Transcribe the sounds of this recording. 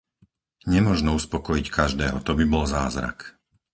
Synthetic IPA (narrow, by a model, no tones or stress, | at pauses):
ɲɛmʊɔʒnɔuspɔkɔjickʰaʒd̪ɛːɦɔt̪ɔbibɔlzaːzɾa̰k